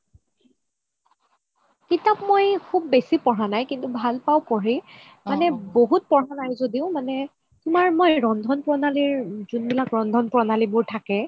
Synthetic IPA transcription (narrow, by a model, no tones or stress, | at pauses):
kitapmojkʰub̚ːesipɔɹanajkintubʱalpawkoɹi | manɛboɦut̚pɔɹanajzodiʊmanɛ | tʊmaɹmojɹɔndʱɔnpɹɔnaliɹzunbilakɹɔndʱɔnpɹɔnalibʊɹtʰakɛ